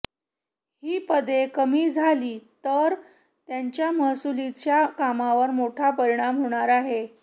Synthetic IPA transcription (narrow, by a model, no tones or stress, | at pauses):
hiːpəd̪ekəmiːd͡zʱaliːt̪əɾ | t̪jaɲt͡ɕjaməɦsulit͡ɕjakamaʋəɾmoʈʰapəɾiɽ̃amɦoɽ̃aɾaɦe